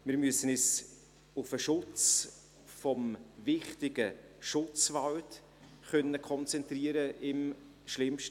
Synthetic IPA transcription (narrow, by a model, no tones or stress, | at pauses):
mɪːɾmyəsənɛs | ʊfəʃʊt͡s | fɔmvɪχtɪɡ̥ə | ʃʊt͡svawt | χœnːəkʰɔnt͡sɛntriəɾəɪm | ʃlɪmʃt